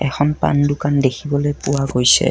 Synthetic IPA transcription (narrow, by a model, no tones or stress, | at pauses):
ɛxʰɔnpa̰ndʊkandekʰibɔlojpʊwaɡojsɛ̰